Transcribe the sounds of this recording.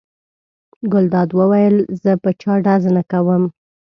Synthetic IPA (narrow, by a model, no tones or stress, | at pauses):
ɡʊld̪ɑd̪wəwajəlzəpət͡ʃɑɖaznakawəm